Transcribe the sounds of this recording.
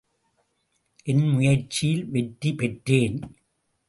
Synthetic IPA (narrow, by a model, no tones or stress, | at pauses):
ʔɛnmʊjɐɾt͡ʃɪjɪlʋɛʈripɛʈreːn